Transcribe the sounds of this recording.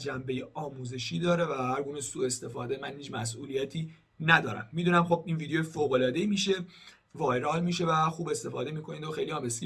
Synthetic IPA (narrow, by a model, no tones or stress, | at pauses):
d͡ʒæmbejeʔɒːmuːze̞ʃiːd̪ɒːɾe̞væhæɾɡuːnesuːe̞st̪e̞fɒːd̪emænhiːd͡ʒmæs̬ʔuːlijæt̪ʰiː | næd̪ɒːɾæ̰mːid̪uːnæmxo̞biːnvid̪ejojfoːɣo̞lɒːd̪e̞imiːʃe̞ | vɒːjɾɒːlmiːʃe̞væxuːbe̞st̪e̞fɒ̰ːd̪e̞miːkʰo̞niːnd̪oxejliɒːmesʲ